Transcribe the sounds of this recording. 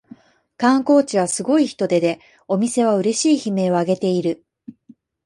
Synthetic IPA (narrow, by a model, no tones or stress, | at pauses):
kãŋko̞ːt͡ɕiβ̞asɨɡo̞içi̥t̪o̞d̪e̞d̪e̞ | o̞mʲise̞β̞aɯ̟ɾe̞ɕiːçime̞ːo̞aɡe̞t̪e̞iɾɯ̟